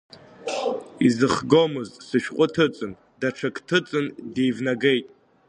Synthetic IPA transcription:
izɨχɡomɨztʼsɨʃqʷʼʊtʰɨt͡sʼɨn | daʈ͡ʂʰakʰʼtʰɨt͡sʼɨndejvnaɡejtʼ

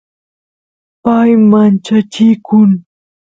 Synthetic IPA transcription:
pajmant͡ʃat͡ʃɪkʊŋ

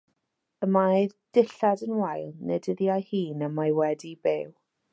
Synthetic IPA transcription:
əmajðd̥ɪɬadənwajlˠnɛ̰dɪðjajhiːnəmajwɛdibew

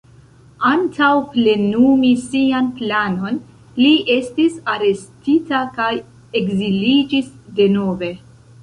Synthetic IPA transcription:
antʰawple̞numisianplano̞n | liʔe̞stisaɾe̞stitakaj | e̞ɡzilid͡ʒisde̞no̞ve̞

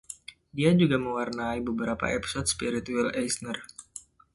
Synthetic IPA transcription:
diad͡ʒuɡaməwarnaibəbəɾapa̰ɛpi̥sɔt̪̚spiɾit̪ualɛjsnər

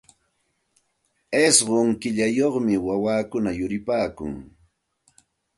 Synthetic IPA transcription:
esɢoŋkɪʎajoχmɪwawaːkʊnajʊɾɪpaːkʊ̰ŋ

